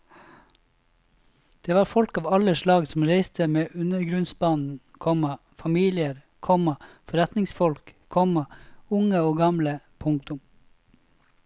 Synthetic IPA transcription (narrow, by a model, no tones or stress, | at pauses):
d̪̥eːʋɑːɾfɔlkɑːʋɑləʃlɑːɡsm̩ɾeɪst̪ʰəmeːʔʉnəɾɡɾʉnsbɑːnn̩ | kʰɔmɑ | fɑmiːlɪəɾ | kʰɔmɑ | fɔɾɛt̪nɪŋsfɔlk | kʰɔmɑʊŋəoːɡɑmlə | pʰʊŋk̚t̪ʊm